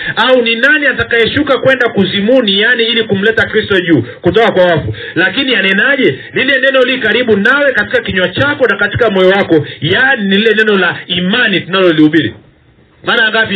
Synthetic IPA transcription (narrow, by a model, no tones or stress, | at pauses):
auninaniatakajɛʃukakwɛndakuzimunijaniilikum̩lɛtakɾistɔʄuːkutɔkakwawafu | lakinianɛnaʄɛ | lilɛnɛnɔlikaɾiɓunawɛkatikakiɲwat͡ʃakɔnakati̥kamɔjɔwakɔjaninililɛnɛnɔlaimanitunalɔliuɓiɾḭ | maːnaŋɡap